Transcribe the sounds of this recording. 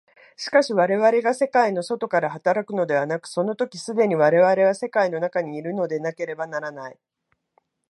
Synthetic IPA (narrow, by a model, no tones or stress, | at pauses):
ɕi̥kaɕiβaɾe̞βaɾe̞ɡase̞kaino̞so̞t̪o̞kaɾahat̪aɾakɯ̟no̞d̪e̞βanakɯ̟̥so̞no̞t̪o̞kʲisɨd̪e̞ɲ̟iβaɾe̞β̞aɾe̞β̞ase̞kaino̞nakaɲ̟iːɾɯ̟no̞d̪e̞nake̞ɾe̞banaɾanai